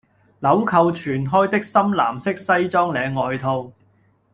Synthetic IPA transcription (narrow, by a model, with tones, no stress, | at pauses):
lɐ˨˥wkʰɐ˧wt͡ʃʰyː˨˩nɦɔː˥jt̪ɪ˥k̚sɐ˥mla̰ː˨˩msɪ˥k̚sɐ˥jt͡sɔː˥ŋlɛː˨˧ŋːɔː˨jt̪ʰo˧w